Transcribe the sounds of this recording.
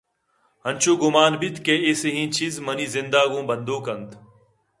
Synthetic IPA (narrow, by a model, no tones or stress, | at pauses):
ɦənt͡ʃʰoːɡʊmaːnbit̪keːeːseɦĩːt͡ʃizməniːzɪnd̪aːɡõːbənd̪oːkənt̪ʰ